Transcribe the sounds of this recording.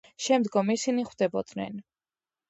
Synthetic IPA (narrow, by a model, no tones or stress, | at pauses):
ʃɛmd̪ɡɔmisiniχwd̪ɛbɔd̪̥nɛ̰n